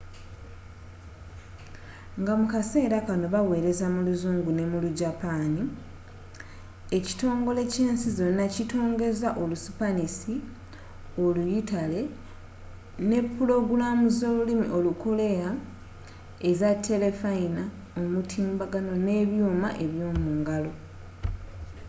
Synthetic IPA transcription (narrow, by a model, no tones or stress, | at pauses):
ŋɡamukase̞ːɾakano̞βawe̞ːɾe̞zamuluzuːŋɡune̞muluɟapaːni | e̞ci̥to̞ːŋɡo̞le̞ce̞ːnsizo̞nːacito̞ːŋɡe̞zaʔo̞lusu̥panisi | o̞lujitale̞ | ne̞pːulo̞ɡulamuzo̞ːlulimḭʔo̞luko̞le̞ja | e̞zatʰːe̞le̞faina | omutʰiːmbaɡano̞ne̞βjuːmaʔe̞βjo̞ːmuːŋɡalo̞